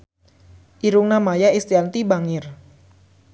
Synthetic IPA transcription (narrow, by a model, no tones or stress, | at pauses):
ʔiɾʊŋnamajaist̪iant̪ibaŋɪr